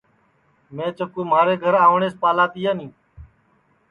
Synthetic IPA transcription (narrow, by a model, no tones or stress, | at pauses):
mẽːt͡ʃəkuːmaːɾeːɡʱəɾaːʋɳeːspaːlaːt̪ijaːnĩː